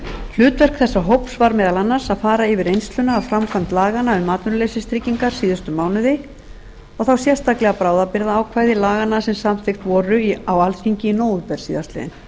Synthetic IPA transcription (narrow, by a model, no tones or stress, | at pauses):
l̥ʏːt̪vɛr̥kθɛsːaɦowpsvaɾmɛːðalanːḁsaðfaːɾaɪvɪɾejnst̪lʏnaːðfɾamkʰamnt̪laːɣanaʏmːaːt̪nʏɾlejsɪst̪ɾicːiŋkaɾ̥siːðʏst̪ʏmaːwnʏðɪ | ɔɣθawsjɛrst̪aklɛɣapɾaːwðapɪɾðaaːwkʰvaːjðɪlaːɣanasɛmsamθɪxt̪vɔːɾʏiawalfiɲcɪinoːwʏpɛɾ̥siːðast̪lɛ̰ðɪ̰n